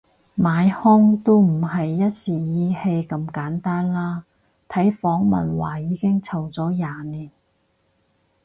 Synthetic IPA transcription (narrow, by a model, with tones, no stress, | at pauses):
maː˨˧jhɔ˥ŋt̪o˥wm̩˨˩hɐ˨jːɐ˥t̚siː˨˩jiː˨˧he˧jkɐ˧mkaː˨˥nt̪aː˥nlaː˥ | t̪ʰɐ˨˥jfɔː˨˥ŋmɐ̰˨nwa̰ː˨˩jiː˨˧kɪ˥ŋt͡sʰɐ˨˩wt͡sɔː˨˥jaː˨niː˨˩n